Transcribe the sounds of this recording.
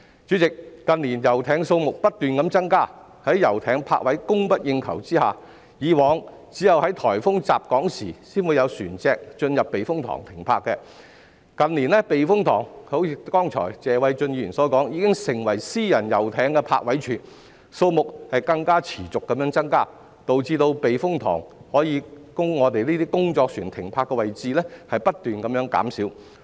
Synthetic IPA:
t͡ʃyː˨˥t͡sɪ˨k̚ːɐ˨nliː˨˩njɐ˨˩wt̪ʰɛː˨˥ŋso˧wmʊ˨k̚pɐ˥t̚t̪yː˨nkɐ˨˥mt͡sɐ˥ŋkaː˥˩ | hɐ˨˥jjɐ˨˩wt̪ʰɛː˨˥ŋpʰa̰ː˧k̚wɐ˨˥jkʊ˥ŋpɐ˥t̚jɪ˧ŋkʰɐ̰˨˩wt͡siː˥ha̰ː˨ | jiː˨˧wɔː˨˧ŋ | t͡siː˨˥jɐ˨whɐ˨˥jt̪ʰɔː˨˩jfʊ˥ŋt͡saː˨p̚kɔː˨˥ŋsḭː˨˩siː˥nwuː˨˧jɐ˨˧wsyː˨˩nt͡sɛː˧k̚t͡ʃɵ˧njɐ˨p̚ːe˨jfʊ˥ŋt̪ʰɔ̰˨˩ŋt̪ʰɪ˨˩ŋpʰa̰ː˧kːɛ˧ | kɐ˨nliː˨˩nlɛ˥pe˨jfʊ˥ŋt̪ʰɔ̰ː˨˩ŋho˨˥wʰiː˧kɔː˥ŋt͡ʃʰɔ̰ː˨˩jt͡sɛː˨wɐ˨˧jt͡ʃɵ˧njyː˨˩nsɔː˨˧˥kɔː˨˥ŋjiː˨˧kɪ˥ŋsɪ˨˩ŋwɐ˨˩jsiː˥jɐ˨˩njɐ˨˩wt̪ʰɛː˨˥ŋkɛ˧pʰa̰ː˧k̚wɐ˨˥jt͡ʃʰyː˨˩n | so˧wmʊ˨k̚hɐ˨jkɐ˧ŋkaː˥t͡sʰiː˨˩t͡sʊ˨kːɐ˨˥mjœː˨˧˥ŋt͡sɐ˥ŋkaː˥˩ | t̪o˨wt͡siː˧t̪o˧wpe˨jfʊ˥ŋt̪ʰɔ̰ː˨˩ŋhɔː˨˥jiː˨˧kʊ˥ŋŋɔː˨˧t̪e˨jniː˥t̪iː˥kʊ˥ŋt͡ʃɔː˧k̚syː˨˩nt̪ʰɪ˨˩ŋpʰaː˧kːɛ˧wɐ˨jt͡siː˧lɛ˥hɐ˨jpɐ˥t̚t̪yː˨nkɐ˨˦mjœː˨˥ŋka̰ː˨˥msiː˨˥w

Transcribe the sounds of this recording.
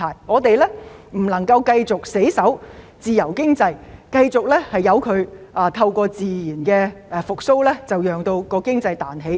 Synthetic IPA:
aː˨˩jŋɔː˨˧t̪e˨jlɛː˥m̩˨˩lɐ˨˩ŋkɐ˧wkɐ˧jt͡sʊ˨k̚se˨˥jsɐ˨˥w | t͡siː˨jɐ˨˩wkɪ˥ŋt͡sɐ˧jkɐ˧jt͡sʊ˨k̚lɛː˥hɐ˨jɐ˨˧wkʰɵ˨˧ɥʔaː˨˧t̪ʰɐ˧wkʷɔː˧t͡siː˨jiː˨˩nkɛː˧ʔɛ˧fʊ˨k̚so˥wlɛː˥t͡sɐ˨wjœː˨ŋt̪o˧wkɔː˧kɪ˥ŋt͡sɐ˧jt̪aː˨nɦe˨˥j

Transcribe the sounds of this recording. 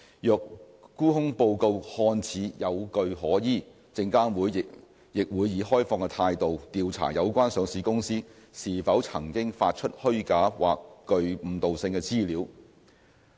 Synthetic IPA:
jœː˨˧k̚ | kuː˥hʊ˥ŋpo˧wko˧whɔː˧nt͡sʰiː˨˥jɐ˨˧wkɵ˧ɥhɔː˨˥jiː˥ | t͡sɪ˧ŋkaː˥nwuː˨˥jɪ | jɪ˨k̚wuː˨˧jiː˨˥ɦɔː˥jfɔː˧ŋkɛ˧t̪ʰaː˧jt̪o˨wt̪iː˨wt͡sʰa̰ː˨˩jɐ˨˧wkʷwaː˥nsœː˨˧ŋsiː˨˧˥kʊ˥ŋsiː˥siː˨˩fɐ˨˥wt͡sʰɐ˨˩ŋkɪ˥ŋfaː˧t̚t͡ʃʰɵ˥t̚hɵ˥ɥkaː˨˥wa̰ː˨kːɵ˧ɥm̩˨˥t̪o˨wsɪ˧ŋkɛ˧t͡siː˥liː˨˥w

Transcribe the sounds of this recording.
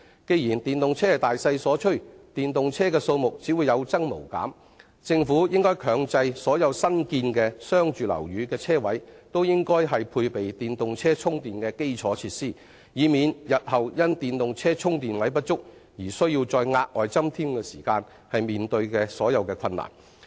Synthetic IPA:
ke˧jiː˨˩nt̪iː˨˩nt̪ʊ˨ŋt͡sʰɛː˥t̪aː˨jsɐ˧jsɔː˨˥t͡ʃʰɵ˥ɥt̪iː˨nt̪ʊ˨ŋt͡sʰɛː˥kɛː˧so˧wmʊ˨k̚t͡siː˨˥wu˨˧jɐ˨˧wt͡sɐ˥ŋmo̰˨˩wka̰ː˨˥m | t͡sɪ˧ŋfuː˨˥jɪ˥ŋkɔː˥jkʰœː˨˧ŋt͡sɐ˧jsɔː˨˥jɐ˨˧wsɐ˥nkiː˧nkɛː˧sœː˥ŋt͡ʃyː˨lɐ̰˨˩wjyː˨˥kɛː˧t͡sʰɛː˥wɐ˨˥jt̪o˥wjɪ˥ŋkɔː˥jɦɐ˨jpʰuː˧jpe˨jt̪iː˨nt̪ʊ˨ŋt͡sʰɛː˥t͡sʰʊ˥ŋt̪iː˨nkɛː˧ke˥jt͡ʃʰɔː˨˥t͡sʰiː˧˥t̚siː˥˩ | jiː˨˧miː˨˧njɐ˨t̚hɐ˨˩wjɐ˥nt̪iː˨nt̪ʊ˨ŋt͡sʰɛː˥t͡sʰʊ˥ŋt̪iː˨nwɐ˨˥jpɐ˥t̚t͡sʊ˥k̚ | jiː˨˩sɵ˥ɥji˧wt͡sɔː˧jŋaː˧k̚ʔɔː˨˩jt͡sɐ˥mt̪ʰiː˥mkɛː˧siː˨˩kaː˧n | hɐ˨jmiː˨nt̪ɵ˧ɥkɛː˧sɔː˨˥jɐ˨˧wkɛː˧kʰɐ˧nːa̰ː˨˩n

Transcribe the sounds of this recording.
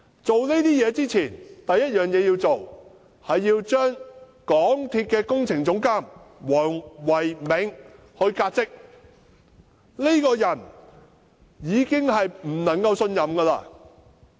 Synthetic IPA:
t͡so˨wne˥t̪iː˥jɛː˨˧t͡siː˥t͡sʰiː˨˩nt̪ɐ˨jːɐ˥t̚jœː˨ŋjɛː˨˧jiː˧wt͡so˨w | hɐ˨jːiː˧wt͡ʃœː˥ŋ | kɔː˨˥ŋt̪ʰiː˧t̚kɛː˧kʊ˥ŋt͡sʰɪ˨˩ŋt͡sʊ˨˥ŋkaː˥˩mwɔː˨˩ŋwɐ˨˩jmɪ˨˥ŋ | hɵ˧ɥkaː˧t̚t͡sɪ˥k̚ | le˥jkɔː˧jɐ˨˩n | jiː˨˧kɪ˥ŋhɐ˨jm̩˨˩nɐ˨˩ŋkɐ˧wsɵ˧njɐ˨mɡɐː˧la̰ː˧

